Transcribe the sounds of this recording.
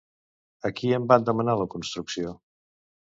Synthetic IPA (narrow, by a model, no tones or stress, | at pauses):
əkiəmband̪əmənaləkunst̪ɾuksio